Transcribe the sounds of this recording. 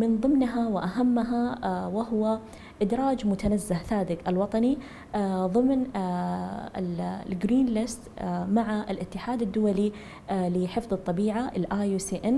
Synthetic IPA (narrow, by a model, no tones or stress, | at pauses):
mɪnðˤɨmnɦawɪʔaɦamːaɦawɪɦʊwa | ʔɪd̪ɾˤɑːd͡ʒmʊt̪anazːahθaːd̪ɪɡalwɑt̪ˤɑni | ðˤɨmn | lɡɾiːnlɪst̪maʕaɪlʔɪt̪ːɪħaːd̪ad̪ːʊwali | lɪħɪfðˤɨt̪ˤːɑbiːʕaʔɪlʔaːjusiːʔɪn